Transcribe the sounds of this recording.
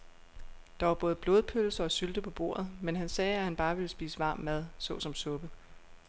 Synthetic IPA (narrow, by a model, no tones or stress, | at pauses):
d̥ɑ̈ʋɑ̈b̥ɔ̽ːð̩ˠb̥lo̝ːðˠpʰølsɐɒ̽syld̥əpʰɒ̽b̥o̝̰ɐ̰ð̩ˠmenɦænsɛːæhænb̥ɑ̈ːʋe̝ləsb̥ḭːsəʋɑ̈ːmːæð̞ˠsɔ̽sɒ̽msɔ̽b̥ə